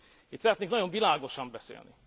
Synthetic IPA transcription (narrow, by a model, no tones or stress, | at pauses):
it̪sɛɾɛt̪neːŋknɒɟo̞ɱvilaːɡo̞ʃɒmbɛsḛːlnḭ